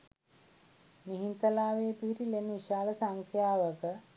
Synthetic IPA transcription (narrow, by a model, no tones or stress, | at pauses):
miɦint̪əlaːʋeːpiɦiɾileniʃaːləsaŋkʰjaːʋəkə